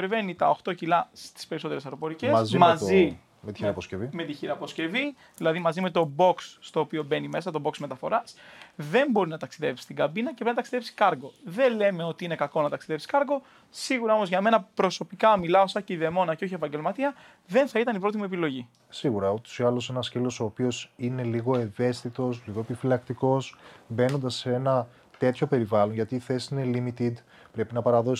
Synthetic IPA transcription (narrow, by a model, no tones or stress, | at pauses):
eɾve̞nit̪ɐoxt̪o̞cilɐst̪i̥speɾso̞t̪eɾesɐɾo̞po̞ɾice̞szmɐzi | met̪iɾɐposcevime̞t̪içiɾɐposce̞vi | ðilɐðimɐzime̞t̪o̞bo̞ksːt̪o̞ːpio̞be̞nime̞sɐt̪o̞bo̞ksme̞t̪ɐfo̞ɾɐsðe̞mbo̞ɾinɐt̪ɐksiðe̞vi̥st̪iɡɐbinɐcepnɐt̪ɐksiðepsi̥kɐɾɣo̞ðe̞le̞me̞o̞t̪iine̞kɐko̞nɐt̪ɐksiðe̞fsi̥kɐɾɣo̞ | siɣuɾɐo̞mo̞zʝɐme̞nɐpɾo̞so̞pikɐmilɐosɐceiðe̞mo̞nɐceo̞çiepɐɲɟe̞lmɐt̪iɐ | ðe̞nθɐit̪ɐnipɾo̞t̪imue̞pilo̞ʝi | siɣuɾɐot̪o̥siɐlose̞nɐscelo̞so̞ːpio̞sine̞liɣo̞eve̞st̪it̪o̞s̬liɣoepifilɐk̚t̪iko̞sbe̞no̞nd̪ɐseenɐ | t̪e̞t̪ço̞pe̞ɾivɐlo̞nʝɐt̪iːθe̞si̥sine̞limit̪id̪ | pɾe̞pinɐpɐɾɐðo̞